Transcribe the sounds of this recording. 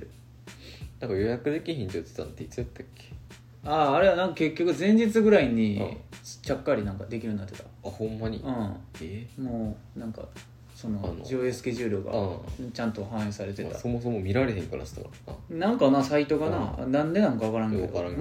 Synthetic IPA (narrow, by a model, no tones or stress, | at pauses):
nãŋkajo̞jakɯ̟d̪e̞kʲiçĩɲt̪ot̪e̥t̪ã̰nt̪ːeit͡sɨat̪ːakʲːe̥ | aːɾe̞d̪anãŋkake̞kʲːo̞kɯ̟zẽ̞ɲ̟d͡ʑit͡sɨɡɯ̟ɾaiɲ̟ḭ | t͡ɕakːaɾʲinãŋkad̪e̞kʲiɾɯ̟̃nd̪at̪ːe̞t̪ḁahõmːaɲ̟ḭɯ̃ | moː | nãŋka̰ | so̞no̞nod͡ʑioesɨ̥ke̞ʑɨːɾʲjo̞ɡa̰t͡ɕãnt̪o̞ɦãɰ̃esaɾe̞t̪e̞t̪a̰somoso̞momʲiɾaɾe̞ɦẽ̞ŋkaɾa̰ɕi̥t̪a̰k | a̰nãŋkanasait̪o̞ɡana̰nãnd̪e̞nãŋkaβakaɾãŋkd̪aɾã